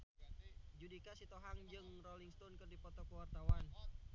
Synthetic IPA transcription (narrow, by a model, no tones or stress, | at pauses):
d͡ʒudikasit̪oɦaŋd͡ʒɨŋrɔliŋst̪ɔnkɨrdipɔt̪ɔkəwart̪awan